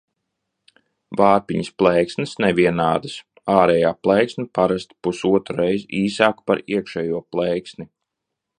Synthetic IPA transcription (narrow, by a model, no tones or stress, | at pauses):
vaːɾpiɲəsplˠɛjksnɨsnɛvʲiɛnaːd̪əs | aːɾɛjaːplˠɛjksnipaɾast̪pusuɔt̪ɾuɾɛjziːsaːkpaɾiɛkʃɛːjuɔplˠɛjksni